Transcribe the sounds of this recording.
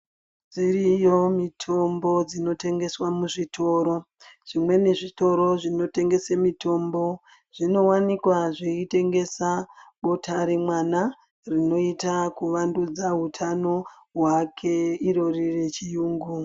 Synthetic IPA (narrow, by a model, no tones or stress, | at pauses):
ʐd͡zirijo̞mitʰo̞mbo̞d͡zino̞te̞ŋɡe̞swamuʐitʰo̞ːɾo̞ | ʐ̥imwe̞neʐito̞ɾo̞ʐino̞te̞ŋɡe̞semitʰo̞mbo̞ | ʐ̥ino̞wanikwaʐeite̞ŋɡe̞saɓo̞tʰaɾe̞mwana | rino̞itakuʋandud͡zaɦutʰano̞ | ɦwakʰe̞iɾo̞rire̞t͡ʃijuːŋɡu